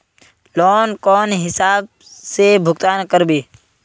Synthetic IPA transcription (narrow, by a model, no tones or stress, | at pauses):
lɔːnkɔːnɦɪsaːb̚ | sebʱʊɡt̪aːnkəɾbiː